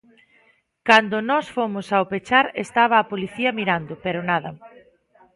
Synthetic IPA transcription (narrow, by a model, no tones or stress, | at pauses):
kand̪ʊnɔsfomʊsawpet͡ʃaɾest̪aβ̞ɐːpoliθiɐmiɾand̪ʊpeɾʊnaðɐ